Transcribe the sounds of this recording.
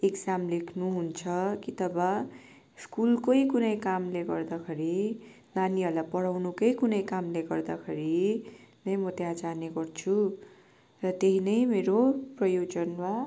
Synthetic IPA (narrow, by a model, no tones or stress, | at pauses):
ekd͡zamlekʰnuɦunt͡sʰʌkit̪ʌbʌ | skulkojkunʌjkamleɡʌrd̪akʰeɾi | naniʌlapʌɽawnukʌjkunʌjkamleɡʌrd̪akʰeɾinʌjmʌt̪jãd͡zaneɡʌrt͡sʰu | rʌt̪eɦinʌjmeɾoprʌjod͡zʌnwa